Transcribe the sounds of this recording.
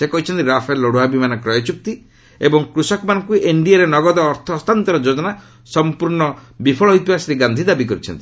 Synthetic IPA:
sekɔɦit͡ʃʰɔnt̪iɾapʰalːɔɽuabimanɔkɾɔjɔt͡ʃuk̚t̪i | ebɔŋkɾusɔkɔmanɔŋkuʔeɳɖiaɾenɔɡɔd̪ɔːɾt̪ʰɔːst̪ant̪ɔɾɔd͡ʒod͡ʒɔna | sɔmpuɾɳɔbipʰɔɭɔɦit̪ibasɾiɡand̪ʱid̪abikɔɾit͡ʃʰɔnt̪i̥

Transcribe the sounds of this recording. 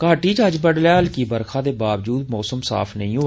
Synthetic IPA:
kəaːʈiːd͡ʒəd͡ʒbəɽlaːɦəlkiːbəɾkʰãːd̪eːbaːʋd͡ʒuːd̪mɔːsəmsa̰ːpʰnəɦĩːɦoː

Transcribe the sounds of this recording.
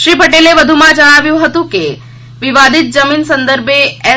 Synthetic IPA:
ʃɾipəʈeleʋəd̪ʱumãd͡ʒəɽ̃aʋjũɦət̪ũke | ʋiʋad̪it̪̚d͡ʒəminsənd̪əɾbeɛ

